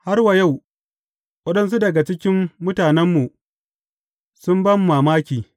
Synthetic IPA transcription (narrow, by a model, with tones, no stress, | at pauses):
ha˦rwa˨ja˦˨w | wɐ˦ɗɐ˦ns̬u˦dɐ˨ɡa˨t͡ʃɪ˦kʲɪ˦mːʊ˦taː˨nɛ˦mːu˨ | sʊ˦mbɐ˦mː˦aː˨maː˦kʲiː˨